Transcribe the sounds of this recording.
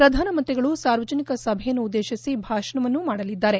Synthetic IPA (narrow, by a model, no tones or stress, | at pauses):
pɾɐd̪ʱaːnɐmɐnt̪ɾiɡɐɭusaːɾʋɐd͡ʒɐnikɐsɐbʱɐjɐnːuːd̪ːeːʃisibʱaːʃɐɳɐʋɐnːumaːɽɐlid̪ːaːɾe̞